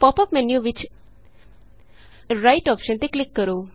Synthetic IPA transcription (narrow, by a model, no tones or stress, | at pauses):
pɔpɔpmɛnjuʋɪt͡ʃ | ɾajʈɔpʃənt̪eklɪkːəɾo